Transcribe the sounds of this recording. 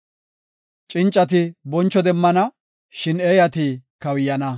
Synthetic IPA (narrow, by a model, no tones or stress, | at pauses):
t͡ʃʼɪnt͡ʃʼːɐt̪̬ɪbɔnt͡ʃːɔd̪ɛmːɐnɐ | ʃɪneːjɐt̪ikɐwɪjːɐnɐ